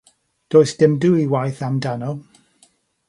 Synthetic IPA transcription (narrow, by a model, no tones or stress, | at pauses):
d̥oːjsd̥ɪmduiwajθamdanɔlˠ